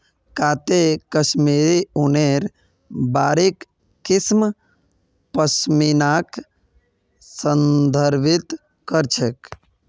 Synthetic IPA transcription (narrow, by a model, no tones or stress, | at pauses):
kat̪ekəsmiɾiuneɾ | baːɾekː | ism | pəsminak | sənd̪ʱəɾbit̪ | kəɾt͡ʃʰek